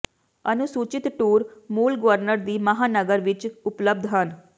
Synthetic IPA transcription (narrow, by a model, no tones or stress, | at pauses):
ənʊsuːt͡ʃɪt̪ʈuːɾmuːlɡəʋəɾnəɾd̪iːməɦaːnəɡəɾʋɪt͡ʃʊpləb̚d̪ɦən